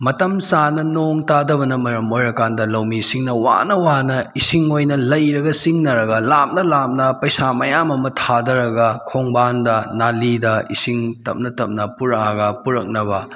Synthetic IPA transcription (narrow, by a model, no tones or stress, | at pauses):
mɐtɐmsanɐnoŋtadɐbɐnɐmɐɾɐmojɾɐkandɐlɐwmisiŋnɐwa̰nɐwanɐisiŋojnɐlɐjɾɐɡɐsiŋnɐɾɐɡɐlap̚nɐlap̚nɐpɐjsamɐjamɐmɐtʰadɐɾɐɡɐkʰoŋbandɐnalidɐḭsiŋtɐp̚nɐtɐp̚nɐpuɾaɡɐpuɾɐk̚nɐbɐ